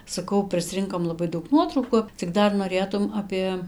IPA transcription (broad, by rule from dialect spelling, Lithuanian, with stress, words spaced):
sɐˈkɐʊ pʲrʲɪsʲˈrʲɪŋkoːm lˠɐˈbɐɪ ˈdɐʊk ˈnuɔtrɐʊkʊ t͡sʲɪk ˈdɐr noːˈrʲeːtʊm ˈɑːpʲeː